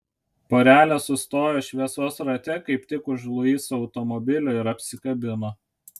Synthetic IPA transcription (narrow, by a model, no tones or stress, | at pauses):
poːɾʲæːlʲɛsʊst̪oːjoːʃʲʋʲiɛsoːsɾɐt̪ʲɛkɐɪpt̪ʲɪkʊʒlˠʊiːsɒʊt̪ɔmɔbʲɪlʲʊːɪɾɐpʲsʲɪkɐbʲɪnoː